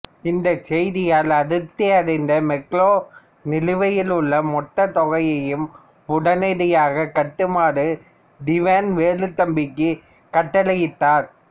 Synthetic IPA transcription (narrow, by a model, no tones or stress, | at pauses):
ɪnd̪ɐt͡ʃɛjðɪjaːlɐɽɯt̪ːɪɐɽɐɪnd̪ɐmɛkloː | nɪlɯʋɐjɪlɯɭːɐmɔʈːɐt̪ɔɣɐjɐjɯm | pʊɽɐnɐðɪjaːɣɐkːɐʈːɯmaːɾɯ | ɖɪʋɛnʋeːlɯt̪ːɐmbɪkːɯ | kɐʈːɐlɐjɪt̪ːaːɾ